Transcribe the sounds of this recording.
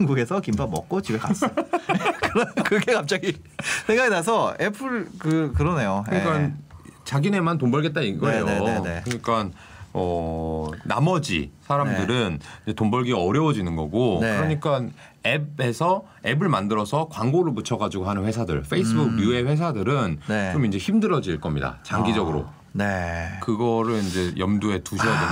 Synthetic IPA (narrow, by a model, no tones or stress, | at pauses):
ŋɡuɡe̞sʰʌkimbamʌk͈̚ot͡ɕibekas͈ | kɯɾʌnkɯɾʌɡekap̚t͡ɕ͈aɡi | sʰeŋɡaɡinas̬ʰʌepʰɯɭkɯkɯɾʌne̞joɯk͈ant͡ɕaɡine̞mantombʌɭɡe̞t̚t͈aiɡʌejoekkɯɲik͈an | ʌ | na̰mʌd͡ʑḭsʰaɾamdɯɾɯnind͡ʑetombʌɭɡiaʌɾjʌwʌd͡ʑinɯnɡʌɡokɯɾʌɲik͈an | ebe̞sʰʌ | e̞bɯɭmandɯɾʌsʰʌkwaŋɡoɾɯɭput͡ɕʰʌɡad͡ʑuɡoɦanɯnɸwe̞sʰadɯ̰ɭfɸʰe̞isʰɯbukjue̞ɸwe̞s̬ʰadɯɾɯnet͡ɕomind͡ʑe̞çimdɯɾʌd͡ʑiɭk͈ʌmɲḭda̰t͡ɕaŋɡid͡ʑʌɡɯɾo̰ | nekɯɡʌɾɯɭind͡ʑe̞jʌmdue̞tuɕʰʌde